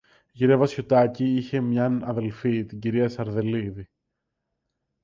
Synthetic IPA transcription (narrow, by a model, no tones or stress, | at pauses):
ʝiɾevɐsçot̪ɐciiçe̞mɲɐnɐðe̞lfit̪iɲɟiɾiɐsɐɾðe̞liði